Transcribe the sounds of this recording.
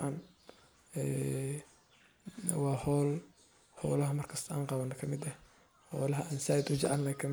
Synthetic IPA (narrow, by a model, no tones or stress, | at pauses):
ʔan | ɛː | wɑːhɔːl | hɔ̰ːlɐɦɐmɐrkʰɐst̪ʰɐʔa̰ːɴqɑβɐnːɐkʰɐmɪd̪ɐh | hɔːlɐɦɐʔaːnsɐjd̪ʊd͡ʒɐʕalnɐjkʰɐmɪ